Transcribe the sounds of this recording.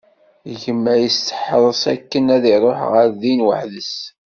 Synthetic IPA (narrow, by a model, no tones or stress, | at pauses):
ʝəmːæjəst̪ə̥ħðˤəsˤæ̰kːənæðiɾˤoħʁəɾðinwəħðəs